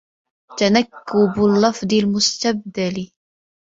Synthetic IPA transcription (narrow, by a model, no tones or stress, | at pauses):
t̪anakːʊblːɑfd̪ˤɪlmʊst̪ab̚d̪al